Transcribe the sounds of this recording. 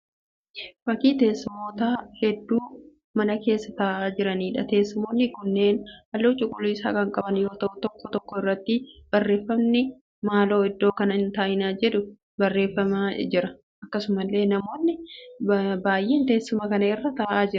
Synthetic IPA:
fɐkiːt̪e̞ːsːɪmoːt̪aːhɛd̪ːuː | mɐnɐke̞ːsːɐt̪ɐːʔaːd͡ʒɪɾɐniːᶑɐt̪e̞ːsːɪmoːnːɪkʊnːe̞ːnɐlːoːt͡ʃʼʊkʼʊluːɪsa̰ːkɐŋkʼɐbɐnjo̞ːt̪ɐʔʊt̪ɔkːɔt̪ɔkːɔɪrːɐt̪ːɪb̥ɐrːe̞ːfːɐmnɪ | maːlo̞ːɪd̪ːoːkɐnɐhɪnt̪aːjɪnaːd͡ʒɛᶑʊ | bɐrːe̞ːfːɐmaːd͡ʒɪɾɐ | ʔɐkːɐsʊmɐlːe̞ːnɐmo̞ːnːɪ | baːjʔeːnt̪e̞ːsːʊmɐkɐnɐɪrːɐt̪ɐːʔaːd͡ʒɪɾɐ

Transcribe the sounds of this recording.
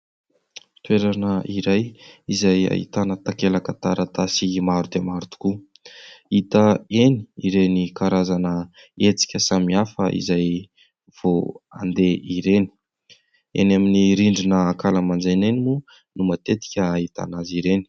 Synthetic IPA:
t̪weɾanəʔiɾajizaja̰ɦḭt̪anət̪akelakat̪aɾat̪asimaɾud̪emaɾut̪u̥ku | it̪əeni̥iɾenikaɾazanə | et͡si̥kʲəsamiafəʔḭzaj | v̥oa̰nd̪eʔiɾeni̥ | ḛnaminiɾiɳɖ͡ʐinəakaləmand͡zenenimu | numat̪et̪i̥kʲəːɦit̪a̰naziɾeni̥

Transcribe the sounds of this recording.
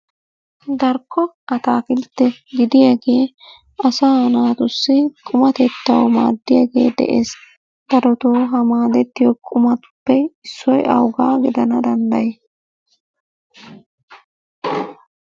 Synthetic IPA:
d̪ɐɾkːɔʔɐt̪aːkɪlt̪ːɛɡɪd̪ɪjaɡe̞ː | ɐsaːnaːt̪ʊsːɪkʼʊmɐt̪ɛt̪ːɐwma̰ːd̪ːɪjaɡḛːd̪ɛ̰ʔeːs | d̪̥ɐɾɔt̪oːɦɐmaːd̪ɛt̪ːɪjɔkʼʊmɐt̪pːɛɪsːɔjɐ̰wɡaːɡɪd̪ɐnɐd̪ɐnd̪ɐje

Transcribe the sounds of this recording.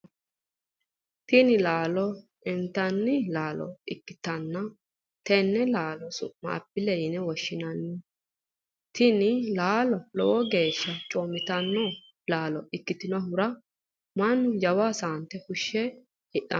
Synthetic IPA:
t̪ɪnɪlaːlɔ | ɛnt̪ɐnːɪlaːlɔ̰ɪ̰kːɪt̪ːɐnːɐ | t̪ɛnːɛlaːlɔsʊ̰ʔma̰ːpːɪlɛjɪnɛwɔʃːɪnɐnːɪ | t̪ʰɪnɪlaːlɔlɔ̰ʔɔɡe̞ːʃːɐt͡ʃʼoːmɪt̪ɐnːɔ | laːlɔɪkːɪt̪ɪnɔɦʊɾɐ | mɐnːʊjɐwaːsaːnt̪ɛhʊʃːɛ | hɪʔɐ̰

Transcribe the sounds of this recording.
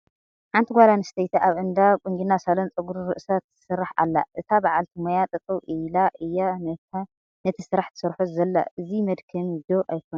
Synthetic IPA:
ħant̪ʰiɡʷalanɨst̪ʰɐjt̪ʰaʔaβʔɨnd̪akʼuŋɡinːasalɐnt͡sʼɨɡuɾɾɨʔsat̪ːɨ̥sɨɾːaħa̰lːa̰ʔɨt̪ʰabaʕalt̪ʰimojat̪ʼɨt͡sʼuwʔɨlaʔɨjːanɐa | nɐt̪ʰisɨɾaħt̪ʰɨ̥sɨɾħuzɐlːa̰ʔɨzimɐd̪kʰɐmd̪oʔajkʰon

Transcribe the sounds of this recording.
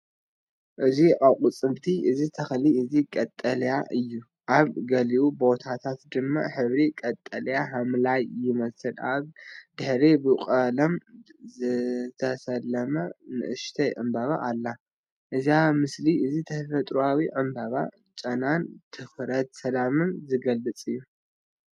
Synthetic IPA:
ʔɨziʕakʼut͡sʼɨmt̪ʰiʔɨzit̪ʰɐxliɨzikʼɐt̪ʼːɐljaʔɨjːu | ʔaβɡɐliʔubo̞t̪ʰat̪ʰat̪d̪ɨmːa̰ħɨβɾikʼɐt̪ʼːɐljaɦamlajːɪmɐsɨlaβd̪̥ɨħɾibɨqʼɐlɐmzɨt̪ʰɐsɐlːɐmɐnɨ̰ʔɨʃt̪ʰɐjʕɨ̰mbaβa̰ʔːlːa | ʔɨziamɨsliʔɨzit̪ʰɐfɐt̪ʼɾuawiʕɨmbaβa̰ | t͡ʃʼɐnant̪ʰɨfɾɐt̪sɐlamɨnzɨɡɐlːɨt͡sʼɨjːu

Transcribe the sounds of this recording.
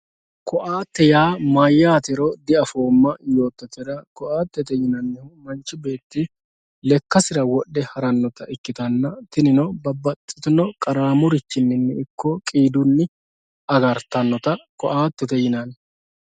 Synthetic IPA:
kɔʔaːt̪ːɛjaːmajːaːt̪ɛɾɔd̪ɪɐfo̞ːmːɐjo̞ːt̪ːɐt̪ɛɾɐkɔʔaːt̪ːɛt̪ɛjɪnɐnːɛhʊmɐnt͡ʃːɪbe̞ːt̪ːɪ | lɛkːɐsɪɾɐwɔɗɛhɐɾɐnːɔt̪ɐɪkːɪt̪ɐnːɐt̪ɪnɪnɔbɐbɐt̪ʼːɪ̥t̪ɪnɔkʼɐɾaːmʊɾɪt̪ːɪnːɪnːɛɪkʰːɔkʼiːd̪ʊnːɪ | ɐɡɐɾt̪ɐnːɔt̪ɐkɔʔaːt̪ːɛt̪ɛjɪnɐn

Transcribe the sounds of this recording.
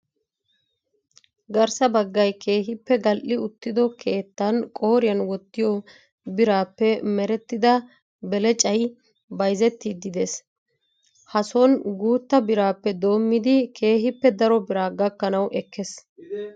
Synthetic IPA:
ɡɐɾsɐbɐɡːɐjkʰe̞ːɦɪpːɛɡɐlʔɪʊt̪ːɪd̪ɔkʰe̞ːt̪ːɐnkʼoːɾɪjɐnwɔt̪ːɪjɔ | bɪɾaːpːɛmɛɾɛt̪ːɪd̪ɐ | bɛlɛt͡ʃʼɐj | bɐjzɛt̪ːid̪ɪd̪es | hɐsɔnɡuːt̪ːɐbɪɾaːpːɛd̪o̞ːmːɪd̪ɪkʰe̞ːɦɪpːɛd̪ɐɾɔbɪɾaːɡɐkːɐnɐwʔɛkʰːɛs

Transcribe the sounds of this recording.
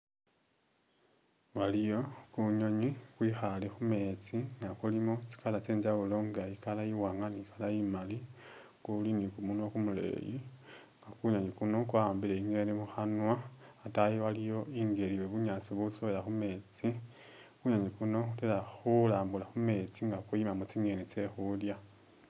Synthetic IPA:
walijo̞kuɲo̞ɲikwiːxalexume̞t͡siŋɡakulimot͡si̥kalat͡seːɲd͡ʒaulo̞ŋɡajikalajiwaːŋɡaniikalajimali | kulinikumunwakumule̞̰ːji | ŋɡakuɲoɲikuno̞kwaːmbileiŋelemuxanwaːtajiwalijo̞iːŋɡe̞liweβuɲaːt͡siβusoβelaxume̞t͡si | kuɲoɲikuno̞utelaxulaːmbulaxume̞t͡siŋɡakwujimamot͡siŋɡe̞nit͡se̞xulja

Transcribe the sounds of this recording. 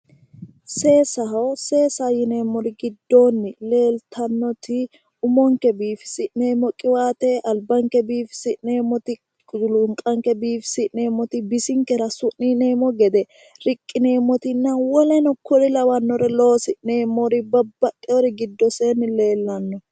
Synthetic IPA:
se̞ːsɐɦɐwse̞ːsajɪneːmːɔɾɪɡɪd̪ːo̞ːnːɪle̞ːlt̪ʰɐnːɔt̪ɪ | ʊmɔŋkɛbiːfɪ̥sɪneːmɔkʼɪwaːt̪ɛʔɐlbɐŋkɛbiːfɪ̥sɪʔneːmːɔt̪ɪ | lʊŋkʼɐŋkɛbiːfɪ̥sɪʔneːmɔt̪ɪbɪsɪŋkɛɾɐsʊʔnːiːneːmɔɡɛd̪ɛ | ɾɪkʼːɪneːmːɔt̪ɪnːɐwɔlɛnɔkːɔɾɪlɐwɐnːɔɾɛlo̞ːsɪʔneːmɔɾɪbɐbːɐkʼːɛɔɾɪɡɪd̪ːɔseːnːɪle̞ːlːɐnːɔ

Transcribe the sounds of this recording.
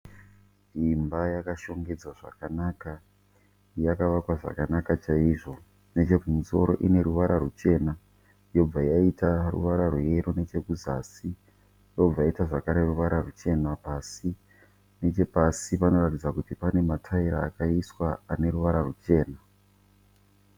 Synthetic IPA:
imbajakaʃo̞ŋɡe̞d͡zaʐa̰kanaːka | jakaʋakwaʐa̰kanakat͡ʃaiʐo̞ | ne̞t͡ʃe̞kumuso̞̰ɾo̞̰ʔine̞ɾuʋaɾʔarut͡ʃe̞ːna | jo̞b͡vajaitarṵʋaɾarweɾone̞t͡ʃe̞kuzasi | jo̞b͡vajaitaʐakaɾe̞ruʋaɾarut͡ʃe̞napasi | ne̞t͡ʃe̞pasipano̞ratid͡zakutipane̞matʰaiɾa̰ːkaiswaane̞ɾuʋaɾarut͡ʃe̞ːna

